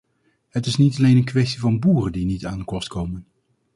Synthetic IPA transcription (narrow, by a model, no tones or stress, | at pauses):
hətɪsnitɑlejnənkʋɛstivɑnbuːrəndinitaːndəkɔstkowmən